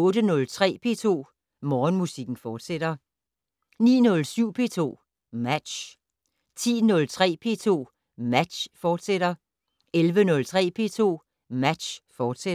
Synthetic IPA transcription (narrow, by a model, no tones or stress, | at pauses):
ɔ̽ːɾ̥ənɔ̽lt͡sʰʁɛ̰ːpʰe̝̰ːt͡sʰo̝̰ː | mɒːnmusiɡ̥n̩fɒːd̥seɾ̥ɐ | nḭːnɔ̽lsyʊ̰pʰe̝̰ːt͡sʰo̝̰ː | mæd̥ɕ | t͡sʰḭːnɔ̽lt͡sʰʁɛ̰ːpʰe̝̰ːt͡sʰo̝̰ː | mæd̥ɕfɒːd̥seɾ̥ɐ | elʋənɔ̽lt͡sʰʁɛ̰ːpʰe̝̰ːt͡sʰo̝̰ː | mæd̥ɕfɒːd̥se